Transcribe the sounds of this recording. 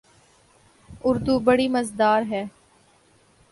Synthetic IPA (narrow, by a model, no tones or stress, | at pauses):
ʊɾd̪uːbəɽimɐzd̪aːɾɦɛː